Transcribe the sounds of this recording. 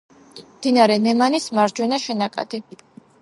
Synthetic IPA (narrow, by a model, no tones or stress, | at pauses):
md̪inaɾɛnɛmanismaɾd͡ʒwɛnaʃɛnakʼa̰d̪̥i